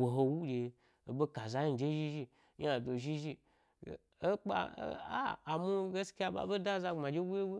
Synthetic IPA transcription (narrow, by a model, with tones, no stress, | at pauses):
wo˨ɦo˧wu˦d͡ʒe˧ | o˨be˦ka˨za˧ji˦˧˨d͡ʒe˦ʒi˦ʒi˧ | ja˨do˨ʒi˦ʒi˧˨ | e˦k͡pa̰˧˨˦a̰ː˦˨mu˦ɡe˦ski˦a˧˨ba̰˨be˦da˦za˧ŋ͡mma˨d͡ʒe˦wu˦je˦wu˦